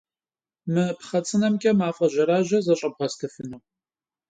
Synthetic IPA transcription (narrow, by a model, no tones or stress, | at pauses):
mɨpχɐt͡sʼɨnɐmkʲʼɐmaːfʼɐʒɐɾaːʑɐzɐɕʼɐb̚ʁɐstʰɐfɨnuw